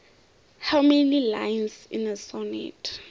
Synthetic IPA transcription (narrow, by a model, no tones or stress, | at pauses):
hawmenila̰jnsḭnəsɔnḭtʰ